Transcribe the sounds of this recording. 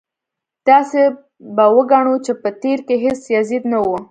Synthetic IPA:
t̪ɑse | bawəɡɑɳut͡ʃepət̪eɾkeɦesjazid̪nawu

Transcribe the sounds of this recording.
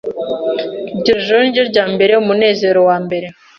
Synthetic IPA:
ɟoʒonɟoɾɟaːmbe̞ɾe̞umune̞ːze̞ɾo̞waːmbe̞ɾe̞

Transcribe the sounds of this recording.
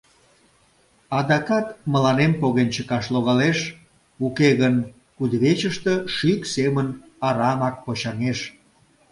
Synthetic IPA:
ɑd̪ɑkɑt̪məlɑnempoɣent͡ɕəkɑʃloɣɑleʃ | ukeɣən | kud̪βet͡ɕəʃt̪əʃyksemən | ɑɾɑmɑk̚pot͡ɕɑŋeʃ

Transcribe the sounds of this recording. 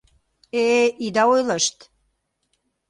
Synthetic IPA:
eid̪ɑojləʃt̪

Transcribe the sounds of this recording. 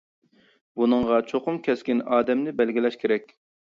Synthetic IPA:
bunɨŋʁɑt͡ʃʰoqʊmkʲʰɛskʲinɑːd̪ɛmnɪbɛlɡʲilɛʃkʲeɾɛkʲ

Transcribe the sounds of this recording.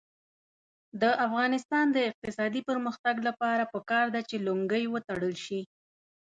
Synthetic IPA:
d̪əʔafɣɑnɪst̪ɑnd̪əɪq̚t̪ɪsɑd̪ipəɾməxt̪aɡlapɑɾapəkɑɾd̪at͡ʃelʊŋɡəjwət̪aɽəlʃi

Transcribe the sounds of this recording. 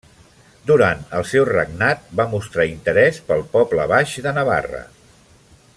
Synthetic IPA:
d̪uɾant̪əlˠsɛwrəɡnat̪̚bamust̪ɾaint̪əɾɛspəlˠpɔplə̰βaʃðənəβa̰rə̰

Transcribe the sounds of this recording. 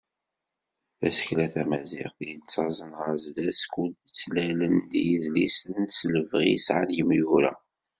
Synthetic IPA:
θæ̰sə̥çlæθæmæzḭʁθjət͡sːɑzˤənʁəɾzlæskːult͡sːlælənd̪jəðlisənsləvʁḭsʕa̰njəmjuɾa̰

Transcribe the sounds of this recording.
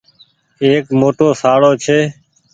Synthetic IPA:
eːkmoːʈoːsaːɽoːt͡ʃʰeː

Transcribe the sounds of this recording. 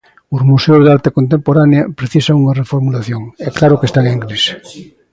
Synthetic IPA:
ozmuseozðaɾt̪ekont̪̬ẽmpoɾaneapɾeθisaŋuŋarefoɾmulaθjoŋɛklaɾokest̪aŋeŋɡɾis

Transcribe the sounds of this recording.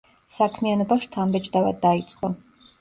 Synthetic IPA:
sakʰmianɔbaʃt̪ʰambɛt͡ʃʼd̪ava̰d̪ːait̪sʼqʼɔ

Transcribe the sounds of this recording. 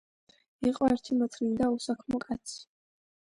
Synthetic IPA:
iqʼɔɛɾt̪ʰimɔt̪ʰnind̪ausakʰmɔkʼat̪sʰi̥

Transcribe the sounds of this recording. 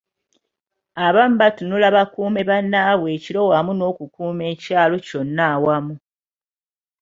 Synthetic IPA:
aβam̩batunulaβakuːme̞βanːaːβwe̞ːciɾo̞wamuno̞ːkukuːme̞ːcaːlo̞co̞nːawamu

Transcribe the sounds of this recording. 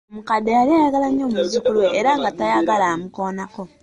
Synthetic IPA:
mukadejaliajaɡalaɲomuzikulweːɾaŋɡatajaɡalamukoːnako

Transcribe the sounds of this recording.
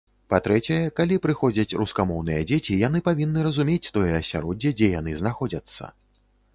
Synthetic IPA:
pat̪ɾɛt͡sʲɛjɐkalʲipɾɨxɔd͡zʲɐt͡sʲruskamɔwn̪ɨjɐd͡zʲet͡sʲijanɨpavʲinːɨɾɐzumʲet͡sʲt̪ɔjɛɐsʲa̰ɾɔd͡zʲːɛd͡zʲɛjan̪ɨznaxɔd͡zʲɐt̪sːɐ̰

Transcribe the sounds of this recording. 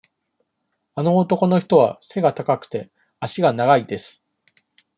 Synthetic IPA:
ano̞ːt̪o̞ko̞no̞çi̥t̪o̞β̞a̰se̞ɡat̪akakɯ̟̥t̪e̞ | aɕiɡanaɡaid̪e̞sɨ̥

